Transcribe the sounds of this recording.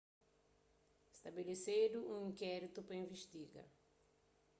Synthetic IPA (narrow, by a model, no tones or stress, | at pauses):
st̪abelesed̪ʊũĩŋkɛɾit̪upɾɐĩveʃt̪iɡɐ̰